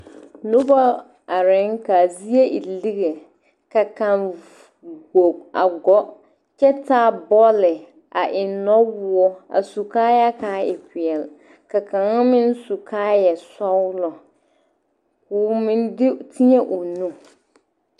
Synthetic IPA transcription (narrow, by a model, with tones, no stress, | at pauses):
nʊ˦ba˦ | a˨ɾɪ˦ŋka˨zi˦e˦ʔi˨li˦ɣe˨ | ka˨ka˨ŋ | ɡo˨a˨ɡɔ˦ | t͡ʃɛ˦taː˦bɔ˦lɪ˨ | a˨ʔɪ˨nɔ˦wʊ˦ɔ˦a̰˨su˨kaː˦ja˦kaː˨˦ɪ˨pɪ˨ɛ˨l | ka˨ka˨ŋa˦mɪ˦n˦su˨kʰaː˦jɛ˨sɔ˦wʊ˦lɔ˨ | kʊ˨mɪ˦ndɪ˦tʰi˦ɲɛ˦ʔʊ˨nũ˦